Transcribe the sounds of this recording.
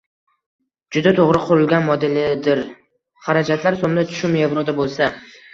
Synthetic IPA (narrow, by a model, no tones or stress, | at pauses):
d͡ʒʊd̪at̪ʰoʁɾɪqʰʊɾɪlɡʲanmɒd̪ɪlɪd̪ɪɾ | χaɾad͡ʒat̪ʰlaɾsomd̪at͡ʃ̪ʰʊ̥ʃʊmevɾod̪abolˠsa